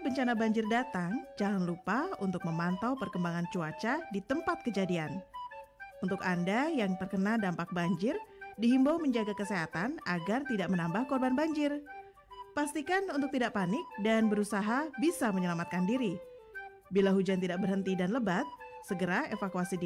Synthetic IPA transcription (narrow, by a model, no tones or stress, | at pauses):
bəɲt͡ʃanabaɲd͡ʒɪrdat̪aŋd͡ʒalanlupaunt̪ʊk̚məmant̪awpərkəmbaŋant͡ʃuat͡ʃadit̪əmpat̪̚kəd͡ʒadian | unt̪ʊkandajaŋt̪ərkənaldampak̚baɲd͡ʒɪrdiɦimbawməɲd͡ʒaɡakəseɦat̪anaɡart̪idaʔmənambahkɔrbanbaɲd͡ʒɪr | past̪ikanunt̪̬ʊk̚t̪idaʔpanɪk̚danbəɾusaɦabisaməɲəlamat̪̚kandiɾi | bilaɦud͡ʒant̪idak̚bərɦənt̪idanləbat̪̚səɡəɾaefakuasid